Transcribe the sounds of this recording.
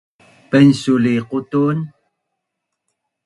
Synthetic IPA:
pənsuliqut̪un

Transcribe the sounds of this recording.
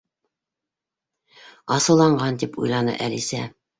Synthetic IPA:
ɑsɤ̆lˠɑɴɢɑnt̪ipʰṵjlˠɑnɤ̰ʔælisæ

